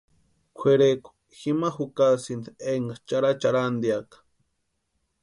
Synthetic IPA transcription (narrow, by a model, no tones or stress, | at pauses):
kʷʰeɾeko̥ | ximaxukasind̪eŋɡat͡ʃaɾat͡ʃaɾand̪jakḁ